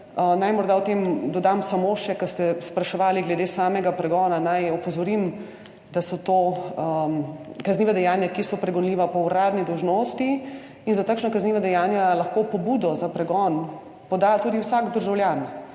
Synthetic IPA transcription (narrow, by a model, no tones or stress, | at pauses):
najmɔɾd̪awt̪eːmd̪ɔd̪amsamoʃɛkɐst̪ɛspɾaʃɛʋaːliɡlɛd̪eːsaːmɛɡapɾɛɡɔːnanajɔpɔzɔɾim | d̪asɔt̪o | kazniːʋad̪ɛjaːnjakisɔpɾɛɡɔnliːʋapɔuɾaːd̪nid̪ɔwʒnoːst̪i | inzat̪akʃnakazniːʋad̪ɛjaːnjalaxkopɔbuːd̪ɔzapɾɛɡɔn | pɔd̪at̪uːd̪iwsaːɡd̪əɾʒawljan